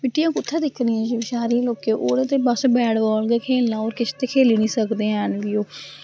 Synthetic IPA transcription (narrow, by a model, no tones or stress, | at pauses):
pɪʈːijãːkʊt̪ʰːãːd̪ɪkʰːniːɛ̃ːd͡ʒiːʋɪt͡ʃaːɾiːloːkeːʔoːɾet̪eːbəsbɛːɽbɔːlɡeːkʰeːlnãːoːɾkɪst̪eːkʰeːliːnĩːsəkd̪eːɦɛ̃ːnʋioː